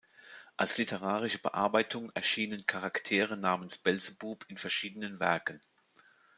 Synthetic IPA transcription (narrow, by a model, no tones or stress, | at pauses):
ʔalslɪtʰəʁ̞aːʁɪʃəbə̰ʔa̰ɐbaɪtʰʊŋɛɐʃiːnənkʰaʁaktʰeːʁ̞ənaːmənsb̥ɛlzəbuːpʰɪnfɛɐʃiːdənənvɛɐkən̩